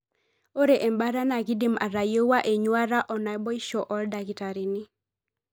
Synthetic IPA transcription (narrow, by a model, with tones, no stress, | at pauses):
o˦ɾe˨ʔe˨mba˦ɾa˦na˨ɡi˦di˦˨ma̰˨ɾa˨jo˦wa˦ʔe˨ɲwa˦ɾa˦ʔɔ˨na˨jbɔ˦i˦ʃɔ˨ʔɔ˦lda˨ɡi˨ta˨ɾi˨nɪ˦